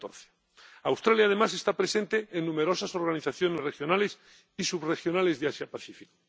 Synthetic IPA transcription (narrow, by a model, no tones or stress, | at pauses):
t̪oɾθe | awst̪ɾaljað̞emase̞st̪apɾe̞sẽ̞nt̪eːnːũme̞ɾo̞saso̞ɾɣaniθaθjo̞ne̞zrexjo̞nale̞s | isuβre̞xjo̞nale̞zðeasjapaθifiko